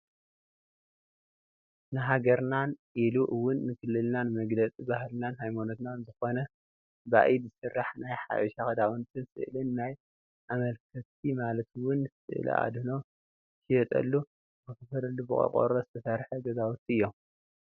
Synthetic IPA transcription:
nɨɦaɡɐɾnanʔiluʔɨwʊnːɨkʰɨlːɨlnanɨmɐɡlɐt͡sʼibahlnanhajmonot̪naɨnzɨxo̞nɐ | ba̰ʔibɨsɨrːaħnajħa̰ʔiʃaxɐd̪awɨnt̪ʰɨnsɨ̰ʔɨlɨnːaj | ʔamɐlkʰɐt̪ʰimalɐt̪wʊnːɨsɨ̰ʔɨ̰lɐ̰ʔa̰d̪ɨno̞ | hijɛt̪ʼɐ̰lːu | bɨkɐfɐɾɐlːubɨɐ̰kʼo̰ɾozɨt̪ʰɐsɐɾħɐɡɐzawut̪ʰiʔɨjːo̞m

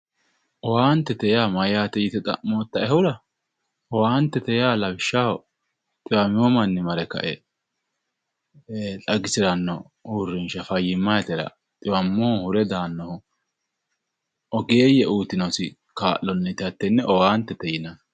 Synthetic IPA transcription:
ʔɔwaːnt̪ːɛt̪ɛjaːmɐjaːt̪ɛjɪt̪ɛt̪ʼɐ̰moːt̪ːɐɛhʊɾɐ | ɔwaːnt̪ːɛt̪ɛjaːlɐbɪʃːahɔ | t̪ʼɪwɐmɪwɔmɐnːɪmɐɾɛkɐ̰ʔɛ | t̪ʼɐɡɪsɪɾɐnːɔ | uːrːɪnʃɐfɐjːɪmːajɛt̪ɛɾɐ̰ | t̪ʼɪwɐmːoːhʊɾɛd̪aːnːɔhʊ | ʔɔɡeːjɛʔuːt̪ɪnɔsɪ | kaːʔːɔnːɛt̪ɪɐt̪ːɛnːɛʔɔwaːnt̪ːɛt̪ɛjɪnɐ

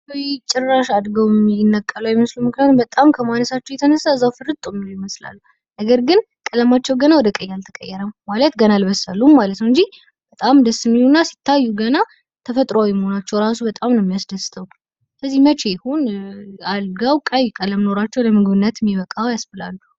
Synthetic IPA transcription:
ojt͡ʃʼːɪrːaʃad̪ɡəwjɛmːinːəkʼːələwjɛməslumɨknijat̪umbət̪ʼamkʰəmanəsat͡ʃːɛwjɛt̪ʰənəsːaɨzːawfɨɾɨt̪ʼomiujɛməsla̰lːu | nəɡəɾɡɨn | kʼələmat͡ʃːɛwɡənawɔd̪əkʼəjːalt̪ʰəkʼə̰jːɛɾəmmalət̪ɡənalbəsːalːummalət̪nəwɨɲd͡ʒi | bət̪ʼamd̪əsːɨmilunːasi̥t̪ʰːajːuɡəna | t̪ʰəfət̪ʼɾoawjɛməho̞nat͡ʃːɛwɾas̬ubət̪ʼamnəmːijasd̪əst̪ʰʼəw | kʰəzːihmət͡ʃʰejhonalɡawkʼajkʼələmno̞ɾat͡ʃːɛwləmɨɡɨβɨnːət̪mːiβəkʼawjasfəla̰lːu

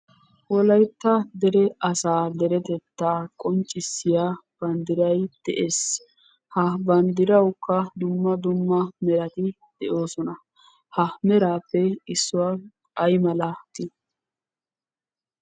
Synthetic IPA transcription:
wɔlɐjt̪ːɐd̪ɛɾɛɐsaːd̪ɛɾɛt̪ɛt̪ːaːkʼɔnt͡ʃʼːɪsːɪjaːb̥ɐnd̪ɪɾɐjd̪̥ɛʔeːs | hɐbɐnd̪ɪɾɐwkːɐd̪ʊmːɐd̪ʊmːɐmɛɾɐt̪ɪ | d̪̥ɛʔo̞ːsɔnɐ | hɐmɛɾaːpːɛɪsːʊwa | kʼɐjmɐlat̪ɪ

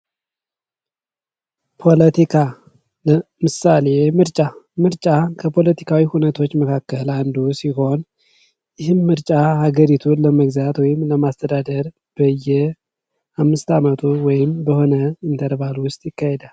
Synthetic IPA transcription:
pʰo̞lət̪ʰikʰa | ləmɨsale̞mɨɾt͡ʃʼamɨɾt͡ʃʼakʰəpʰo̞lət̪ʰikʰawihunət̪ʰo̞t͡ʃːməkʰakːəland̪usiɦo̞n | jɪhɨnmɨɾt͡ʃʼahaɡəɾit̪ʰuləməɡzat̪wɔjɪmləmast̪ʰəd̪ad̪əɾ | b̥əjːɛ | hamːɨst̪amət̪ʰuwɔjɪmbəho̞nəɨnt̪ʰəɾbalwʊst̪ʼjɪkːahed̪al

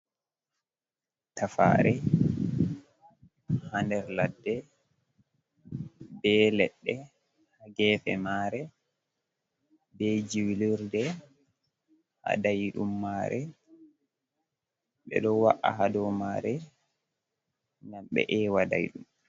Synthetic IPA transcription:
tafa̰ɾɛ | handɛɾladːɛ | bɛlɛɗːɛ | haɡɛːfɛ̰maɾɛ | bɛd͡ʒiwliɾdɛ | ha̰dajɗumːaɾɛ | ɓɛ̰ɗɔwaʔaɦadɔmaɾɛ | namɓɛ̰ʔɛwada̰jɗum

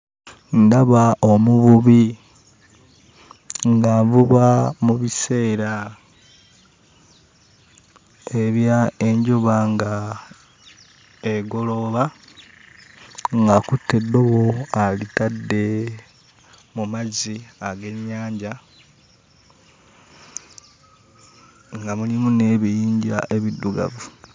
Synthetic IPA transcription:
ndaβaomuβuβi | ŋɡaːvuβamuβise̞ːɾa | eβjae̞ɲɟuβaŋɡa | eɡo̞lo̞βa | ŋɡakutʰːe̞dːo̞βo̞alitadːe̞ | mumaziaɡe̞ɲːaːɲɟa | ŋɡamulimuneβijiːɲɟaʔe̞βidːuɡa̰vu

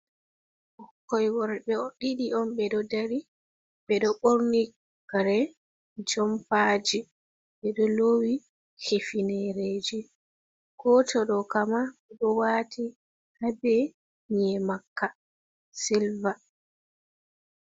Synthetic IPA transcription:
ʔɔkːɔjwɔɾbɛɔɗiɗiɔnɓɛɗɔdaɾi | ɓɛɗɔɓoɾni | ɡaɾɛ | d͡ʒɔmpad͡ʒi | ɓɛɗɔloːwi | hefinɛɾeːd͡ʒi | ɡ̥ɔtʰɔɗɔkamaɛɗɔwaːtʰi | habɛ | ɲɛmakːa | silva

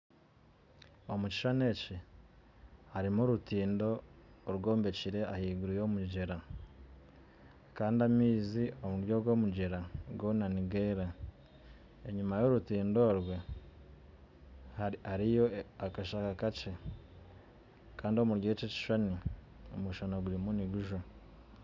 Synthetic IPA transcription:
omuci̥ʃaneci | haɾimuɾutiːndo̞ɾɡo̞ːmbe̞ciɾe̞ahiːɡuɾijo̞muɟeɾa | kaːndiamiːziomuɾjo̞ɡwo̞muɟeɾaɡo̞naniɡe̞ːɾa | eɲumajo̞ɾutiːndo̞ɾɡwe̞ | hahaɾijo̞akaʃakakat͡ʃe | kaːndio̞muɾjot͡ʃeci̥ʃani | omuʃanaɡuɾimuniɡuʒo

